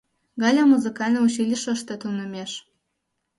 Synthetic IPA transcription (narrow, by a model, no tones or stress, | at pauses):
ɣɑlʲɑmuzɨkɑlʲnɤuɕilʲiʃəʃt̪ĕt̪unə̆mʲeʃ